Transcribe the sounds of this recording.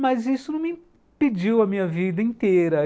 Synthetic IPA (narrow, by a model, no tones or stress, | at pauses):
mɐzisʊnɐ̃w̃mĩ | pid͡ʒiwɐmĩɲɐvid̪ɐĩt̪eɾɐ